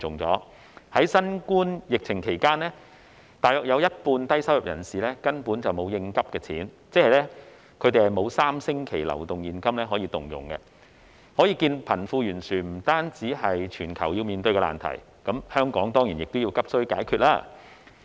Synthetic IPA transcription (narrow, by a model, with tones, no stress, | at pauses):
ʊ˨ŋt͡sɔ̰ː˨˥ | hɐ˨˥jsɐ˥nkuː˥njɪ˨k̚t͡sʰɪ˨˩ŋkʰe˨˩jkaː˥nlɛː˥ | t̪aː˨jɔː˨k̚jɐ˨˧wjɐ˥t̚puː˧nt̪ɐ˥jsɐ˥wjɐ˨˩p̚jɐ̰˨˩nsiː˨lɛː˥kɐ˥npuː˨˥nt͡sɐ˨wmo˨˧wjɪ˧ŋkɐ˥p̚kɛː˧t͡sʰiː˨˥nt͡sɛː˥hɐ˨jlɛː˥ | kʰɵ˨˧t̪e˨jhɐ˨jmo˨˧wsaː˥msɪ˥ŋkʰe˨˩jlɐ̰˨˩wt̪ʊ˨ŋjiː˨˩nkɐ˥mlɛː˥ɦɔː˨˥jiː˧t̪ʊ˨ŋjʊ̰˨˩ŋkɛ˧ | hɔː˨˥jiː˧kiː˧npʰɐ˨˩nfuː˧jyː˨˩nsyː˨˩nm̩˨˩t̪aː˥nt͡siː˨˥ɦɐ˨jt͡ʃʰyː˨˩nkʰɐ˨˩wjiː˧wmiː˨˧nt̪ɵ˧ɥkɛ˧la̰ː˨nt̪ʰɐ̰˨˩j | kɐ˨˥mhœː˥ŋkɔː˨˥ŋt̪ɔː˥ŋji˨˩jɪ˨k̚t̪o˥wji˧wkɐ˥p̚sɵ˥ɥkaː˨˥jkʰyː˨˧t̚laː˥